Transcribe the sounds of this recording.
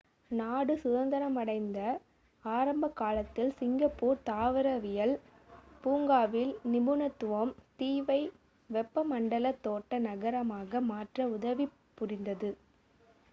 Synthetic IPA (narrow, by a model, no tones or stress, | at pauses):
naːɽɯsʊðɐnd̪ɐɾɐmɐɽɐɪnd̪ɐ | aːɾɐmbɐkːaːlɐt̪ːɪlsɪŋɡɐpːuːɾt̪aːʋɐɾɐʋɪjɐl | puːŋɡaːʋɪlnɪbʊnɐt̪ːʊʋomt̪iːʋɐɪ | ʋɛpːɐmɐɳɖɐlɐt̪ːoːʈːɐnɐɣɐɾɐmaːɣɐmaːʈrɐʊðɐʋi | pːʊrɪnd̪ɐðɯ